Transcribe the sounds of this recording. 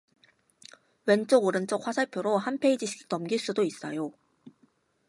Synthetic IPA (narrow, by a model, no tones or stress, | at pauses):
went͡ɕ͈oɡoɾɯnt͡ɕ͈ok̚ʰwasʰaɭpʰjoɾohanpʰe̞id͡ʑiɕʰi̥kt͈ʌmɡiɭs͈udois͈ʌjo